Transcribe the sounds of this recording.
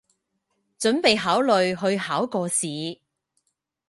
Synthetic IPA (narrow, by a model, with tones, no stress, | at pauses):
t͡ʃɵ˨˥npe˨jɦaː˨˥wlɵ˨ɥɦɵ˧ɥhaː˨˥wkɔː˧siː˨˧